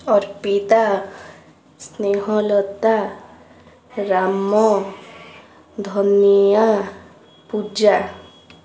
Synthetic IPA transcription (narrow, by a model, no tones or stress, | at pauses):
ɔɾpit̪a | sneɦɔlɔt̪a | ɾamɔ | d̪ʱɔnija | pud͡ʒa